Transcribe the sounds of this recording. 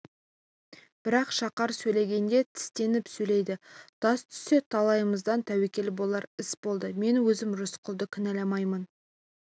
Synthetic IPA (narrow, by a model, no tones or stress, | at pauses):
b̥ɪɾɑqʃɑqɑɾsɵjle̞ɡʲe̞nd̪e̞t̪ʰɪ̥st̪e̞nɪpsɵjle̞jd̪ɪt̪ʰɑst̪ʰʏ̥se̞t̪ʰɑlˠɑjəməzd̪ɑnt̪ʰæwekʲe̞lbo̞lˠɑɾɪsbo̞lˠd̪əme̞nwɵzɪmʒʊsqʰʊlˠd̪əkʲʰɪnælɑmɑjmən